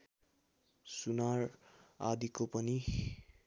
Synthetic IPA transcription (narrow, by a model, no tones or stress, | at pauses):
sunara̰d̪ikopʌni